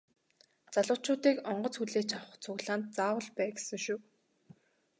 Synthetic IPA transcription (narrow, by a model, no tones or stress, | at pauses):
t͡saɮʊːt͡ɕʊːt̪iːkɔɴɢɞ̆t͡sxuɮeːt͡ɕawə̆χt͡sʰʊɣɮaːnt̪̚t͡saːwə̆ɮpæːɡe̥sə̆ŋʃuː